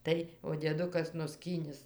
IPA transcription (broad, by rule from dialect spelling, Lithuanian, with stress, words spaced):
ˈtɐɪ oː dʲiɛˈdʊkɐs nʊˈsʲkʲiːnʲɪs